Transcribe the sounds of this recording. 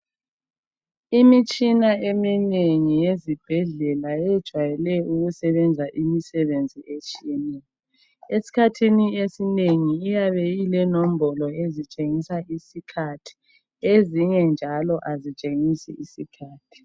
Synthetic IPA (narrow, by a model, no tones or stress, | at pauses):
imit͡ʃʼinaemineŋijezib̥ʱɛɮɛlajɛd̥ʒ̥ʱwajɛlɛuɣusɛβɛnd͡zʱaʔimisɛβend͡zʱiʔet͡ʃʼiɛnɛɔ | esi̥kʰatʰiniesineŋiːjaβɛjilɛnom̩bɔlɔezit͡ʃʼeŋisaʔisikʰatʰi̥ | eziŋɛnd͡ʒʱalɔʔazit͡ʃʼeŋisḭʔisikʰaːtʰi̥